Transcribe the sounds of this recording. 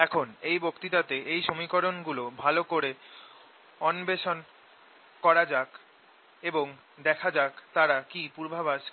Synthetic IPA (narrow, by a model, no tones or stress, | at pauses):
ɛkʰonejbokt̪it̪at̪eʔejʃomikoɾonɡulobʱalokoɾe | ɔnbeʃon | kɔɾad͡ʑak | eboŋ | d̪ɛkʰad͡ʑakt̪aɾakipuɾbʱabaʃ